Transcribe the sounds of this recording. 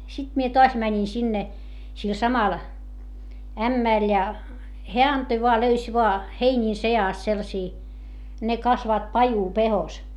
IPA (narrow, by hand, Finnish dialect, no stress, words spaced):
sit mie toɑs mænʲin sinːe sil sɑmɑl æmːæˑl jɑ heæ ɑntoi ʋoɑ løys ʋoɑ heinʲiːn seɑˑst selːɑ̆siː ne kɑsʋɑːt pɑjupehos